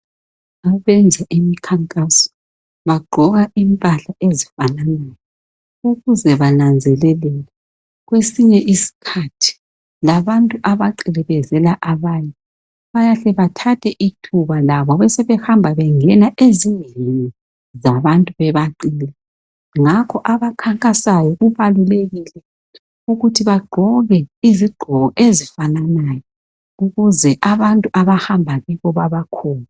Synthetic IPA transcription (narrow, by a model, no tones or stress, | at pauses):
aβɛnd͡zʱaʔimikʰaŋkʼasɔ̥ | βaɡ͡ǃʱɔɣaimpʼaɬaʔezifananɛlɛ | uɣuzɛβanand͡zʱɛlɛlɛlɛ | ɣwesiɲɛʔisi̥kʰatʰi̥ | laβantʼuʔaβaǃilɛβɛzɛlaʔaβaɲɛ | βajaɬɛβatʰatʰɛʔitʰuβalaβɔβɛsɛβɛhambʱaβɛŋɛnaʔezinʱilini | zaβantʼuβɛβaǃiːlɛ | ŋakʰɔʔaβakʰaŋkʼasajɔɣuβaluleɣilɛ | uɣutʰiβaɡ͡ǃʱɔɣɛiziɡ͡ǃʱɔɣɔʔezifananajɔ | uɣuzɛʔaβantʼuʔaβahambʱaβɛβɔβaβakʰɔːna